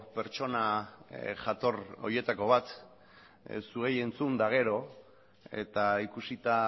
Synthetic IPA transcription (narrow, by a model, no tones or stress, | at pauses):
pe̞ɾt͡ʃo̞na | ʝat̪o̞ro̞̰je̞t̪ako̞β̞at̪ | sue̞je̞nt͡sund̪aɣ̞e̞ɾo̞ | e̞̰t̪aikusit̪a